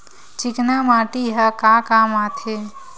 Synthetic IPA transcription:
t͡ʃiknamaːʈiɦəkakamat̪ʰe

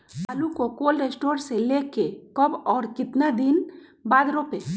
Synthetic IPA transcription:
paːlukokoːlɾeːsʈoːɾseleːkekəbɔːɾkɪt̪nad̪ɪn | baːd̪ɾope

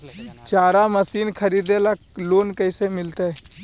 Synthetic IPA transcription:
t͡ʃaːɾaməsiːnkʰəɾiːd̪ela | loːnkəɪsemɪlt̪e

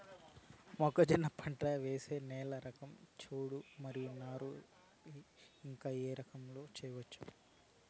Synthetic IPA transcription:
mɔkɐd͡ʒinɐpʰɐɳʈɐʋeːse̞ːnɛːlɐɾɐkɐmt͡ʃuːɽumɐɾijunaːɾu | iiŋkaːeːɾɐkɐmlo̞ːt͡ʃɛːjɐʋɐt͡ʃːu̥

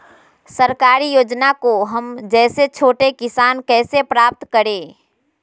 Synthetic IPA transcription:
səɾkaːɾijoːd͡ʒnakoɦəmd͡ʒɛːset͡ʃʰoːʈekɪsaːnkɛːsepɾaːp̚t̪kəɾẽː

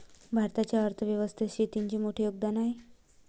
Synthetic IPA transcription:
bʱaɾt̪at͡ɕjaəɾt̪ʰəʋjəʋəst̪ʰeɕiːt̪iɲt͡ɕiːmoʈʰiːjoɡ̚d̪anaɦe

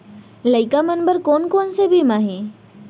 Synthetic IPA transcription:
ləɪkamənbəɾkoːnkoːnsebʱimaːɦẽ

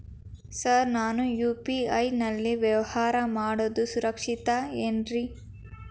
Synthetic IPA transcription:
sɐɾnaːnujuːpiɐjnɐlːiʋjɐʋɐhaːɾɐmaːɽod̪usuɾɐkʂit̪ɐenɾi

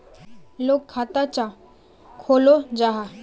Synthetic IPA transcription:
lokʰːat̪at͡ʃa | kʰolod͡ʒaɦa

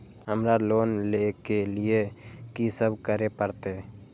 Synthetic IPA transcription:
ɦəmɾaloːnlekeliekisəbʱkəɾepəɾt̪e

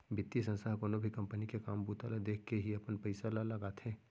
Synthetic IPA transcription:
bɪt̪ːisɐ̃nsaːɦkoːnobʱikɐ̃mpənikekaːmbuːt̪alad̪eːkʰkeɦiɐpənpəɪsalalɐɡaːt̪ʰeː

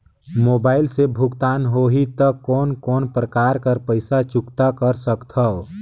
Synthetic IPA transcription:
moːbaːɪlsebʱʊɡt̪aːnɦoɦit̪əkːɔːnkɔːnpɾəkaːɾkəɾpəɪsat͡ʃʊkt̪akəɾsəkt̪ʰəo

